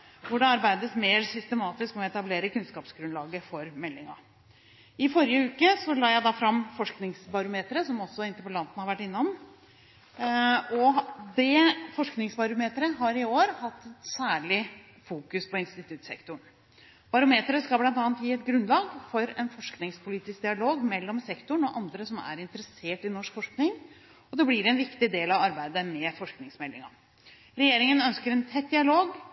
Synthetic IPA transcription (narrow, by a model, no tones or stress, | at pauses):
ʋʊɖɛɑɾbæɪd̪əsmeːɾsʏst̪əmɑːt̪ɪskmɔɛt̪ɑbleːɾəkʉnskɑːpsɡɾʉnlɑːɡəfɔɾmɛlːɪŋɑ̰ | ɪfɔɾɪjəʉːkəsɔlɑːjæɪd̪ɑfɾɑmːfɔʂknɪŋsbɑɾʊmeːt̪əɾəsɔmɔsːɔɪnt̪əpəlɑnt̪ənəhɑɾʋæʈːɪnːɔm | ɔd̪ɛfɔʂknɪŋsbɑɾʊmeːt̪əɾəɦɑɾɪoːɾhɑt̪ːɛt̪sæːɭɪ | fuːkʉspʰɔɪnst̪ɪt̪ʰʉt̪sɛ̰kt̪ʊɳ | b̥ɑɾʊmeːt̪əɾəskɑlblɑnt̪ɑːnt̪jiːɛt̪ɡɾʉnːlɑːɡfɔɾɛnfɔʂknɪŋspʰʊliːt̪ɪsk̚d̪ɪɑloːɡmɛlːɔmsɛkt̪ʊɳɔʔɑnd̪ɾəsɔmæ̰ɾɪnt̪əɾəseːʈɪnɔʂkfɔʂknɪŋ | ɔd̪ɛblɪɾɛnʋɪkt̪ɪd̪eːlɑʋɑɾbæɪd̪əmɛfɔʂknɪŋsmɛlːɪ̰ŋɑ̰ | ɾɛjeːɾɪŋənœnskəɾɛnt̪ʰɛt̪̚ːd̪ɪɑloːɡ